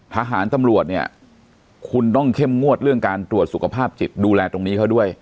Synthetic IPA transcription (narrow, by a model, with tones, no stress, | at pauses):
t̪ʰaː˧ɦaː˩˦nt̪a˧mɾu˨˩ət̪̚ni˥˩ɐ | kʰu˧nt̪ɔ˥˩ŋkʰe˥˩mŋu˥˩ət̪̚ɾɯ˥˩əŋkaː˧nt̪ɾu˨˩ət̪̚su˨˩kʰa˧pʰaː˥˩p̚t͡ɕi˨˩t̪̚duː˧lɛː˧t̪o˧ŋniː˦˥kʰa˦˥wdu˥˩əj